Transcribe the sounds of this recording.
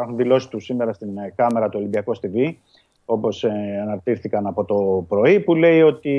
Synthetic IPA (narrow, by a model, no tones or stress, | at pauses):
ɐxunðilo̞si̥t̪usime̞ɾɐst̪inkɐme̞ɾɐt̪uolimbiɐkost̪ivi | o̞po̞sɐnɐɾt̪iɾθikɐnɐpo̞t̪o̞pɾo̞ipule̞io̞t̪i